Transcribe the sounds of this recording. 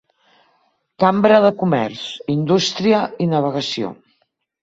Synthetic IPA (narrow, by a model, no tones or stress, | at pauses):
kambɾəðəkumɛ̰ɾsind̪ust̪ɾiəinəβ̞əɣəsio̰